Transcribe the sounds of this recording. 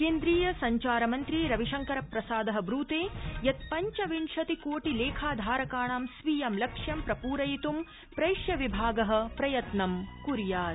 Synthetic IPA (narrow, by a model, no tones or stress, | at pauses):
keːnd̪ɾiːjɐsɐɲt͡ʃaːɾɐmɐnt̪ɾiɾɐʋiʂɐŋkɐɾɐpɾɐsaːd̪ɐɦɐ̆bɾuːt̪eːjɐt̪pɐɲt͡ʃɐʋiɳʂɐt̪ikoːʈileːkʰaːd̪ʱaːɾɐkaːɳaːmsʋiːjɐmlɐkʂjɐmpɾɐpuːɾɐjit̪um | pɾɐjʂjɐʋibʱaːɡɐɦɐ̆pɾɐjɐt̪nɐmkuɾjaː